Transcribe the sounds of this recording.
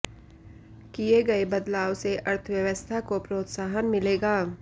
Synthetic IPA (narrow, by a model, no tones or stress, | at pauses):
kijeɡɐebɐd̪laːʋseʔɐɾt̪ʰəʋjɐʋəst̪ʰakopɾoːt̪saːɦənmɪleːɡaː